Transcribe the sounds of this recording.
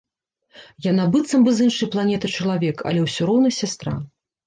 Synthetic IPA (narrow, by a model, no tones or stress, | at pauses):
janabɨt̪sɐmbɨzɨnʂɐjplˠanʲɛt̪ɐt͡ʂɐlˠavʲɛkɐ̰lʲɛwsʲuɾɔwnɐsʲast̪ɾa̰